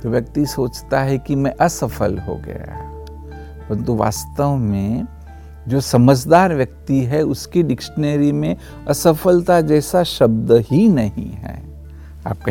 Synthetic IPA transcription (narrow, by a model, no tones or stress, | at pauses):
t̪oʋjɐk̚t̪isoːt͡ʃt̪aɦɛkimɛ̃ʔɐsɐfʰəlɦo̰ɡɐ̰ja̰ | pɐɾə̃nt̪uʋa̰ːst̪əʋmẽ | d͡ʒoːsɐməd͡ʒd̪aːɾʋjɐk̚t̪iɦɛʊskiɖɪkʃəneːɾimẽ | ɐsəfʰəlt̪ʰad͡ʒɛːsaʃɐb̚d̪ɦinɐɦḭ̃ɦɛ̰ː | a̰ːp̚ka